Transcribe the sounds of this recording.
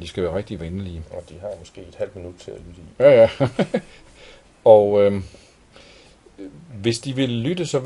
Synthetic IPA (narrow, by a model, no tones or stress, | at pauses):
d̥isɡ̥æʋæːɐʁɛɡ̥̚d̥iʋænəliɒ̽d̥iɦɑ̈mɒsɡ̥e̝̰ːed̥hæl̰d̥minud̥̚t͡sʰe̝ælyd̥əijæjæ | ɒø | ʋe̝sd̥iʋe̝lːyd̥əsɒ̽